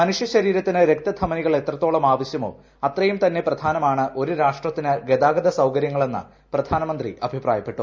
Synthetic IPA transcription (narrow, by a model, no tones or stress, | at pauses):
mɐnuʂjɐɕɐɾiːɾɐt̪ːinɨɾe̞k̚t̪ɐd̪ʰʱɐmɐniɣɐɭe̞t̪rɐt̪ːoːɭɐmaːʋɐɕjɐmo̞̰ː | ɐt̪rɐjumt̪ɐnːe̞prɐd̪ʱaːnɐmaːɳɨʔo̞ɾuɾaːʂʈrɐt̪ːinɨɡed̪aːɡɐd̪ɐsɐwkɐɾjɐŋːɐɭe̞nːɨ̰ | prɐd̪ʱaːnɐmɐnd̪riʔɐbʱipraːjɐpːe̞ʈːu